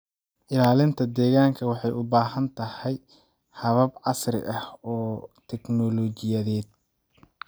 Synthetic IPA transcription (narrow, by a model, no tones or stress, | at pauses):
ʔɪlaːlɪnt̪ʰɐd̪ɛːɣaːŋkʰɐwɑħɑjʊbaːɦɐnt̪ʰɐhɛj | hɐβɐbʕɑsrɪ̰ʔɐhɔːt̪ʰɛknɔlɔt͡ʃɪjɐðɛːd̪̚